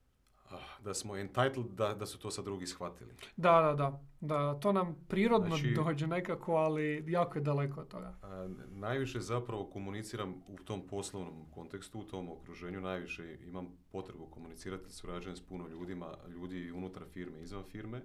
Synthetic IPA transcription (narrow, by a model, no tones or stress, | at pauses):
əd̪asmo̞ent̪ajt̪l̩ˠd̪ad̪asu̥t̪o̞ːsad̪ːɾuɡisxʋat̪ilḭd̪ad̪ad̪ad̪at̪oːnampɾiːɾod̪noid̪oːd͡ʑene̞kakʰoalijaːkojed̪alekoot̪t̪ːo̞̰ɡa̰najʋiʃezapɾaʋo̞ko̞munit̪siːɾamut̪o̞mpo̞slˠoʋnomko̞nt̪ekst̪uut̪ʰo̞mokɾuʒe̞ːɲunajʋiʃeimam | po̞t̪ɾebuko̞munit̪iːɾat̪isuɾad͡ʒajemspunoʎuːd̪ima̰ʎuːd̪iːunut̪ɾafiːɾmeizʋanfiːɾme